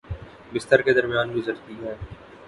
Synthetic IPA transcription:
bɪst̪əɾked̪ɐɾmijaːnɡʊzəɾt̪iɦɛː

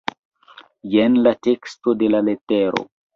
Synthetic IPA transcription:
jenlate̞ksto̞de̞laleteɾo̰

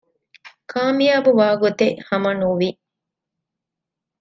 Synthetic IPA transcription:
kʰaːmijaːbuʋaːɡot̪eʔhɐmɐnuʋi

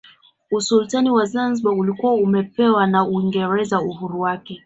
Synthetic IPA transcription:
usultaniwazanziɓaulikuwaumɛpɛwanauiŋɡɛɾɛzauɦuɾuwakɛ

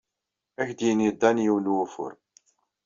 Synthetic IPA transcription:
æçd̪jinid̪ːænjiwlwufʊ̰ɾ

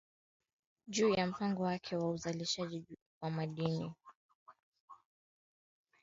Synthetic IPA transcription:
ʄuːjam̩paŋɡɔwakʰɛwauzaliʃaʄi | wamaɗini

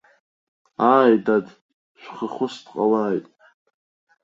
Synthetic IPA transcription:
aːjdad | ʃᶣʷχaχʊstqʼa̰laːjtʼ

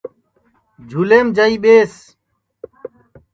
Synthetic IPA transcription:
d͡ʑʱuleːmd͡ʑɐiːɓeːs

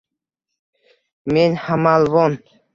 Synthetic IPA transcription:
menhamalvon

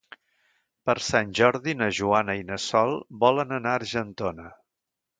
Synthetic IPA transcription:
pəɾsanʲʒɔɾðinəʒuanəinəsɔlˠbɔlənənaəɾʒənt̪onə

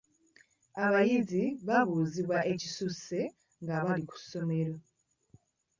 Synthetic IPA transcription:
aβajiziβaβuːziβwaʔe̞ci̥suse̞ | ŋɡaβaliku̥so̞me̞ɾo

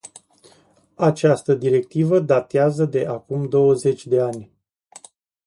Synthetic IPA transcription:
at͡ʃast̪əd̪iɾe̞k̚t̪ivəd̪at̪eazəd̪e̞ʔakumd̪o̞wəze̞t͡ʃʲd̪e̞anʲ

